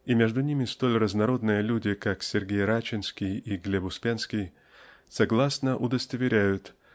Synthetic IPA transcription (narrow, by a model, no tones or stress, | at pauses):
imʲeʐd̪ʊnʲimʲɪst̪o̞lʲrəznɐɾo̞d̪nɨjəlʲudʲɪkaksʲɪrɡʲejɾat͡ɕɪnskʲɪjiɡlʲebʊspʲanskʲɪj | sɐɡlˠasnəʔʊd̪əst̪əvʲɪɾʲæjʊt̪